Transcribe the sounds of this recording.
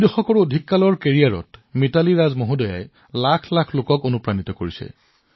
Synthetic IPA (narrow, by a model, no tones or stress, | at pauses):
dɔxɔkɔɹodʱikːalɔɹkeɹijaɹɔ̰tmitaliɹazmoɦudɔja̰j | lakʰlakʰlokɔkonupɹanitɔkoɹisɛ̰